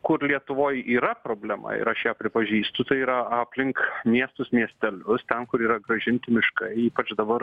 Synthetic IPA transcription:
kʊɾlʲiɛt̪ʊʋoːjiːɾɐpɾoːbʲlʲɛmɐ̰ɪ̰ɾɐʃjæːpʲɾʲɪpɐʒʲiːst̪ʊt̪ɐɪiːɾɐɑːpʲlʲɪŋkmʲiɛst̪ʊsmʲiɛsʲt̪ʲɛlʲʊst̪ʲɛnkʊɾiːɾɐɡɾɐʒʲɪnʲt̪ʲɪmʲɪʃkɐɪiːpɐt͡ʃd̪ɐbɐr

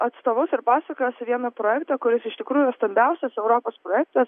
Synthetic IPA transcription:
ɐt̪st̪oːʋʊsɪɾpɑːsʲɛkojɛsʋʲiɛnɐpɾɔjɛkt̪ɐkʊɾʲɪsɪʃt̪ʲɪkɾuːjʊst̪ɐmʲbʲɛʊsʲɛsɛʊɾoːpoːspɾojɛk̚t̪ɐs

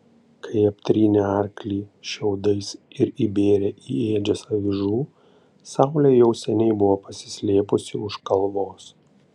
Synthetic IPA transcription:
kɐɪɐpʲt̪ʲɾʲiːnʲɛɐɾʲklʲiːʃʲɛʊd̪ɐɪsɪɾibʲeːɾʲɛʔieːd͡ʒʲɛsɐʋʲɪʒuː | sɑˑʊlʲɛjɛʊsʲɛnʲɛɪbʊʋoːpɐsʲɪ̥sʲlʲeːpʊsʲɪʊʃkɐlˠʋoːs

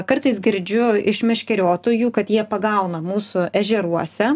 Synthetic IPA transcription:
kɐɾt̪ɐɪsɡʲɪɾʲd͡ʒʲʊɪʃmʲɛʃʲkʲɛɾʲoːt̪oːjuːkɐt̪jiɛpɐɡɐʊnɐmuːsʊʔɛʒʲɛɾuɔsʲɛ

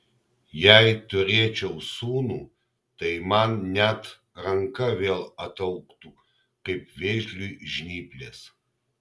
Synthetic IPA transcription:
jaːjt̪ʰʊreːt͡ʃʰɛwsuːnu | t̪ɐjmannʲatʰ | rɐŋkɐveːlˠɐt̪ʰɐwkt̪ʰu | qɐjp̚ʰveːʒlʲujʒnʲiːplʲes

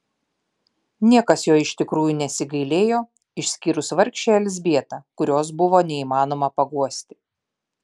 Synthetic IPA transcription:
nʲiɛkɐsjoːɪʃʲt̪ʲɪkɾuːjunʲɛsʲɪɡɐɪlʲeːjoː | ɪʃʲsʲkʲiːɾʊsʋɐɾʲkʲʃʲt͡ʃʲeɛlʲzʲbʲiɛt̪ɑkʊɾʲoːs̬bʊʋoːnʲɛiːmɑːnoːmɐpɐɡuɔsʲt̪ʲɪ̥

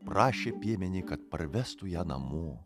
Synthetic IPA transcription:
pɾɑːʃʲeːpʲiɛmʲɛnʲikɐt̪̚pɐɾʋʲɛst̪ʊjæːnɐ̰moː

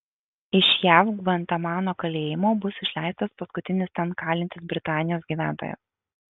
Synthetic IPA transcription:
ɪʃʲjæːfɡʋɐnt̪ɐmɑːnoːkɐlʲeːjɪmoːbʊsɪʃʲlʲæˑɪst̪ɐspɐskʊt̪ʲɪnʲɪst̪ʲɛnkɑːlʲɪnt̪ʲɪsbʲɾʲɪt̪ɑːnʲɪjoːsɡʲiːʋʲæːˑnt̪o̰ːjɛ̰s

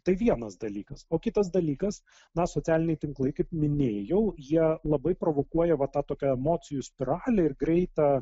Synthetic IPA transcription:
t̪ɐɪʋʲiɛnɐsd̪ɐlʲiːkɐsoːkʲɪt̪ɐsd̪ɐlʲiːkɐs | nɐsot͡s̪ʲæːlʲɪnʲɛɪt̪ʲɪŋklˠɐɪkɐɪpmʲɪnʲeːjɛʊjiɛlˠɐbɐɪpɾoːʋoːkuɔjɛʋɐt̪ɑːt̪oːkʲɛɛmoːsʲɪjuːsʲpʲɪɾɑːlʲɛɪrɡɾʲɛɪt̪ɑ

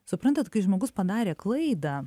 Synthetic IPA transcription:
sʊpɾɐnt̪ɐt̪kɐɪʒmoːɡʊspɐd̪ɑːɾʲeːklˠɐɪd̪ɐ

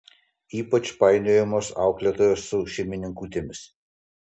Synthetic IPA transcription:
iːpɐt͡ʃpɑɪnʲoːjɛmoːsɑ̰ˑʊklʲet̪oːjoːsːʊʃʲɛɪmʲɪnʲɪŋkuːt̪ʲemʲɪs

